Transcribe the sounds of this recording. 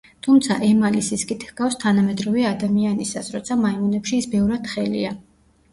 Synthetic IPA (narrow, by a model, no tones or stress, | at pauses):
t̪ʰumt̪sʰa̰ʔɛmalisiskʼit̪ʰhɡ̥afst̪ʰanamɛd̪ɾɔvɛad̪amianisasɾɔt̪sʰamaimɔnɛpʃiːsbɛvɾad̪̥χɛlḭa